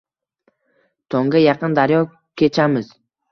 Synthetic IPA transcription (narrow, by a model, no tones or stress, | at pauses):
t̪ʰoŋɡajɑqɨnd̪aɾjɒ | kʲʰet͡ʃʰamɪz̥